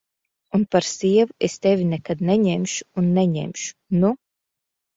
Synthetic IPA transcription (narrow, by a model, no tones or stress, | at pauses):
unpaɾsiɛvuest̪evʲinɛkad̪nɛɲemʃu̥ːnːɛɲḛmʲʃu̥nu